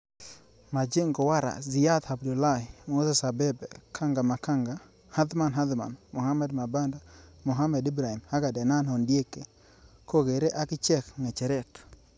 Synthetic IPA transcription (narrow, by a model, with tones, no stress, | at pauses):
ma˨d͡ʒe˦ŋɡɔ˨wa˦ɾa̰˨zi˨ja˦t̪ha˨bdu˨la˦˨m˨o˦sɛ˦˨sa˨bɛ˦bɛ˨kʰa˦ŋɡa˨ma˨ka˦ŋɡa˨ | ha˦d̪ma˨nɦa˦d̪ma̰˨nmo˨ɦa˦mɛ˦dma˨ba˦nda˦mo˨ɦa˦mɛ˨di˦bɾa˨hi˨mha˦ɡa˨dɛ˨na˦nhɔ˨ndje˦ke˨ | ko˦ɡe˨ɾe˦ʔa˦kɪ˦t͡ʃɛ˦kŋɛ˨t͡ʃɛ˨ɾɛ˦˨t